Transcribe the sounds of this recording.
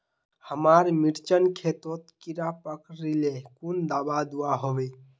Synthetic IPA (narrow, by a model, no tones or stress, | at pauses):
həmaɾmiɾt͡ʃənkʰet̪ot̪kiɾapəkɾilekund̪abad̪uaɦobe